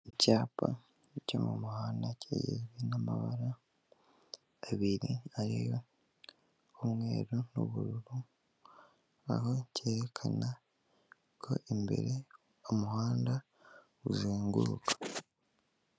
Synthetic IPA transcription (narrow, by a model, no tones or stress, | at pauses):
ecaːpa | comumuhaːndacḛjḛβinama̰βaɾa | βiɾiaɾijo̞ | omŋe̞ːɾono̰βuɾuɾu | a̰ho̞ceːɾekʰana | kʰo̞̰ʔembe̞̰ɾe | omuhaːnda | ɡuzeːŋɡuːkḁ